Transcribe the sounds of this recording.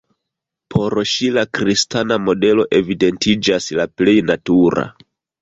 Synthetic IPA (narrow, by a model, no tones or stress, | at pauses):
pʰo̞ɾʃilakɾistanamo̞de̞lo̞ʔe̞vide̞ntid͡ʒaslaple̞jnatuɾa̰